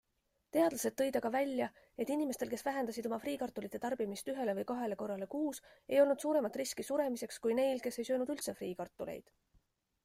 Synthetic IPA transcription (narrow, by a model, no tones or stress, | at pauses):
t̪e̞ɑd̪lɑse̞t̪ːɤ̞jd̪ɑkɑvælʲjɑ | e̞t̪ːˑinimest̪e̞lke̞svæɦe̞nd̪̥ɑsid̪̥o̞mɑfriːkɑrt̪ːˑulit̪ːˑe̞t̪ɑrb̥imist̪yɦe̞le̞vɤjkɑɦe̞le̞ko̞rːɑle̞kuːse̞jo̞lnud̪suːɾe̞mɑt̪ːˑriskisuɾe̞mise̞kskujne̞jlke̞se̞jsø̞ːnud̪̥ylt̪se̞friːkɑrt̪ːˑulḛjd̪̥